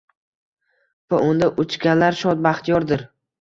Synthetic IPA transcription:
paʔʊnd̪aʔʊt͡ʃkʲalaɾʃɒt̪̚baχt̪ʰɪjɒɾd̪ɪɾ

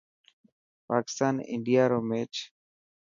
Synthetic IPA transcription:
paːkɪ̥st̪aːnɪ̰̃ɳɖijaːɾoːmeːt͡ʃ

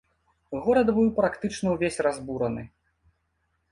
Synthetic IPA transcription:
ɣɔɾɐd̪bɨwpɾakt̪ɨt͡ʂnɐwvʲesʲrazbuɾɐnɨ̰

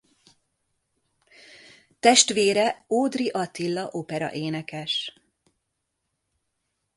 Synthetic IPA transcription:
t̪ɛʃt̪ʋeːɾɛoːd̪riʔɒt̪ilːɒʔoːpɛɾɒ̰ʔeːnɛkɛʃ

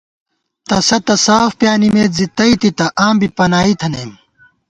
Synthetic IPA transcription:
t̪ɐsɐt̪ɐsaːfpjaːnimeːt̪zit̪ɐit̪it̪ɐʔaːmbipɐnaːit̪ʰɐnem

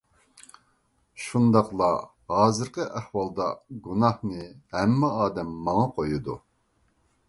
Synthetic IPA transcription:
ʃund̪ɑqlˠɑ | hɑːzɨɾqəʔæhwɑlˠd̪ɑ̰ɡunɑhnɨhɛmːɛɑːd̪ɛmːɑŋɑqʰojud̪u

